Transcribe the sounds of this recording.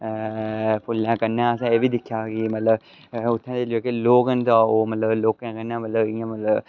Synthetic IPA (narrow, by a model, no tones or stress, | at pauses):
pʰʊlːãːkənãːəsãːeːʋiːd̪ɪkʰːjaːkimət̪ləb | ʊt̪ʰːãːd̪eːloːkeloːkənt̪ãːoːmət̪ləbloːkãːkənãːmət̪ləbɪjãːmət̪ləb